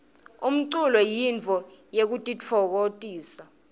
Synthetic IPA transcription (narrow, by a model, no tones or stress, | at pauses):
um̩ǀulɔjint͡fɔjek̬utʼit͡fʰɔk̬otʼiːsa